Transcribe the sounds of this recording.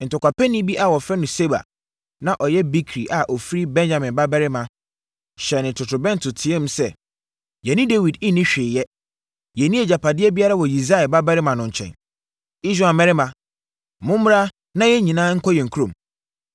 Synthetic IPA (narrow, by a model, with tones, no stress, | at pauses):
n̩˨tʊ˨kʷa˨pɛ˦nĩ˦bi˦ʔa˨wɔ˨fɾɛ˦nʊ̃˨se˦ba̰˨ | nã˦˨ʔɔ˨jɛ˦bi˦kʰɾi˨ʔa˨ʔɔ˨fi˦ɾi˦bɛ̃˦nd͡ʑã˨mɪ̃˨nba˦bɛ˦ɾɪ˦mã˨ | ɕɛ˨nɪ̃˨tʰʊ˨tʰʊ˨bɛ̃˦n˦tʰʊ˨tʰɪ̃˨˦ɛ̃˦m̩˦sɛ˦˨ | jɛ˨nɪ̃˦de˦wi˨dɪ˦nɪ̃˦ɕᶣɪ˨jɛ˦ | jɛ˨nĩ˦e˨d͡ʑa˨pʰa˨dɪ˦ɛ˦bi˦a˦ɾa˦wɔ˨ji˨s̬a˦ɛ˨ba˦bɛ˦ɾɪ˦mã˨nʊ̃˨ɲ̩˨t͡ɕʰɛ̰̃˨n | i˦sᶣa˦˨a˨mɛ˦ɾɪ˦mã˨ | mʊ̃˦m˦m˦ɾa˦ | nã˦jɛ˦ɲĩ˨nãː˦ŋ̩˦kʰɔ˦jɛ̃˨ŋ̩˨kʰu˦ɾõ˨m